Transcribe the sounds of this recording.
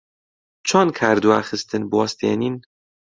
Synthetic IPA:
t͡ʃʰɑnkʰæɾd̪uæxɨst̪ʰɨnbwɑst̪ʰenin

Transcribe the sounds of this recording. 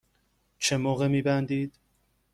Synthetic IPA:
t͡ʃʰe̞moːɣe̞miːbænd̪iːd̪̥

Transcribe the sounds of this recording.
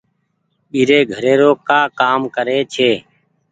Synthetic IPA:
ɓiːɾeːɡʱəɾeːɾoːkaːkaːmkəɾeːt͡ʃʰeː

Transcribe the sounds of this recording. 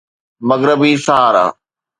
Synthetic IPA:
mɐɣɾəbisaːɾa̰ː

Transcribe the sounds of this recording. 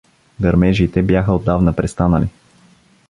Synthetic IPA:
ɡ̪ɐɾmɛʒit̪ɛbjaxəod̪ːavnəpɾɛst̪anəli

